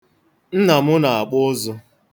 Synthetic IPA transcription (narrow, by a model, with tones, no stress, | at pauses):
n̩˦na˨mʊ˦na˨a˨k͡pʊ˦zʊ˦